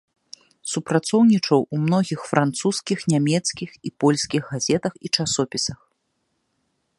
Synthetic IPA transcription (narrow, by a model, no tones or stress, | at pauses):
supɾat̪sɔwnʲit͡ʂɐwumnɔɣʲixfɾʔant̪suskʲixnʲamʲɛt̪skʲixipɔlʲsʲkʲiɣɣazʲɛt̪ɐxit͡ʂasɔpʲisɐx